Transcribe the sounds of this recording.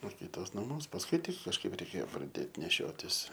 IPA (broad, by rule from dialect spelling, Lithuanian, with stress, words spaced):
oː ˈkʲiːtoːs nɐˈmuɔs pɐsˈkʊɪ ˈtʲɪk kɐʃˈkɐɪp rʲɛɪˈkʲeːjoː prɐˈdʲeːt nʲɛˈʃʲoːtʲɪs